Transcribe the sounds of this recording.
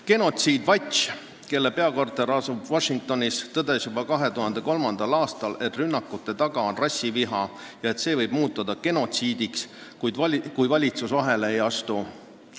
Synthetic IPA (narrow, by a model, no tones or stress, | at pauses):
ke̞no̞t̪siːd̪̥vɑt̪ʲt͡ʃ | ke̞lːepe̞ɑko̞rt̪ˑe̞ɾɑsub̥vɑʃiŋk̚t̪o̞nʲist̪ɤd̪esjubɑkɑɦe̞t̪uɦɑnd̪̥e̞ko̞lmɑnd̪̥ɑlɑːst̪ɑle̞t̪ˑrynːɑkːˑut̪ːˑe̞t̪ɑɡ̥ɑonrɑsːiviɦɑ | jɑe̞t̪se̞ːvɤjb̥muːt̪ːˑud̪̥ɑke̞no̞t̪siːd̪ikskud̪kujvɑlʲit̪susvɑɦe̞leejɑst̪u